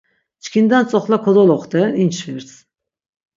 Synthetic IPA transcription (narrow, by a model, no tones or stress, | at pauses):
t͡ʃʰi̥kʰʲind̪ænt͡s̪ʼɔχlˠakʰod̪olˠɔχt̪ɛnint͡ʃfiɾs